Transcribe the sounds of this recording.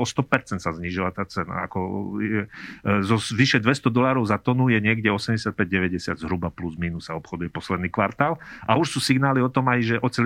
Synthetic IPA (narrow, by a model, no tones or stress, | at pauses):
ɔst̪ɔpɛɾt͡sɛnt̪sazɲiʒilat̪aːt͡sɛna̰a̰kɔɛzɔʋiʃɛd̪ʋɛst̪ɔd̪ɔlaːɾɔʊzat̪ɔnujɛɲɪɛɡɟɛɔsɛmɟɛsɪat̪̚pɛɟ̚ɟɛʋɛɟɛsɪad̪zɦɾubapluzmiːnusːaɔpxɔd̪ujɛpɔslɛd̪niːkʋaɾt̪aːlʔauʃsuːsiɡnaːliɔt̪ɔmajʒɛʔɔt͡sɛl